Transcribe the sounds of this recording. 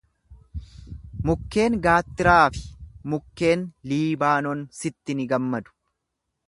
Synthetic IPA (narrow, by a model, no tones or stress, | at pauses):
mʊkːe̞ːŋɡaːt̪ːɪɾaːfɪ̥mʊkːe̞ːnliːbaːnɔnsɪt̪ːɪnɪɡɐmːɐd̪ʊ̥